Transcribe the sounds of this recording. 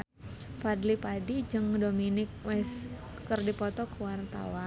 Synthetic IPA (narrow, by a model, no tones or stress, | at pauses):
fadlipadid͡ʒɨŋdominɪk̚wɛs | kɨrdipɔt̪ɔkəwart̪a̰wa